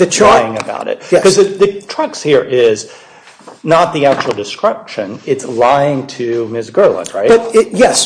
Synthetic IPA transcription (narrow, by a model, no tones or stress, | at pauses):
ðɨt͡ʃʰaɪɪ̃ŋɨba̰ʊɾɨ̰t̚kʰʌzðɨðɨtʰɹ̥ʌkshiɹʔɪz | nət̪̚ðiæk̚t͡ʃul̩ˠdɨskɹɪpʃɨ̃nɪtslaɪɪ̃ŋtʰɨmɪsɡ̥ɜ˞lˠə̰̃ɹaɪb̥ʌɾ̚ɪjɛs